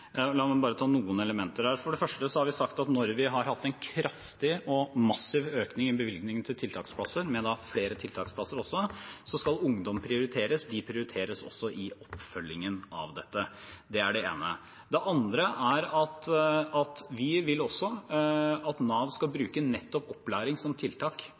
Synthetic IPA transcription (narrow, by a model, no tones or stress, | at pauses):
lɑːmɛbɑːɾət̪ʰɑːnuːənɛləmɛnt̪əɾhæːɾfɔɖɛfœʂʈəsɔhɑɾʋɪsɑkt̪ɑt̪nɔɾʋɪɦɑɾhɑt̪ːɛnkʰɾɑft̪ɪɔmɑsɪʋøːknɪŋɪbəʋɪlɡnɪŋənt̪ʰɪlt̪ʰɪlt̪ʰɑːkspʰlɑsəɾmɛd̪ɑfleːɾət̪ʰɪlt̪ʰɑːkspʰlɑsəɾɔsːɔsɔskɑlʊŋd̪ɔmpʰɾɪʊɾɪt̪ʰeːɾəsd̪ɪpʰɾɪʊɾɪt̪ʰeːɾəsɔ̰sːɔʔɪɔpːfœlːɪŋənɑ̰ʋd̪ɛt̪ːəd̪ɛæɖɛḛːnə̰ | d̪ɛʔɑnd̪ɾəʔæɾɑt̪ɑt̪ʋɪʋɪlːɔsːɔ | ɑt̪nɑːʋskɑlbɾʉːkənɛt̪ːɔpɔpːlæːɾɪŋsɔmt̪ʰɪlt̪ʰɑːk